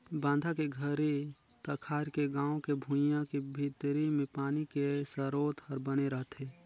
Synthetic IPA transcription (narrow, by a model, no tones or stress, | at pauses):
bãːnd̪ʱakeɡʱəɾit̪əkʰaːɾkeɡãːõkebʱũjãkebʱit̪ɾimẽpaːnikesəɾoːt̪həɾbəneɾəɦt̪ʰeː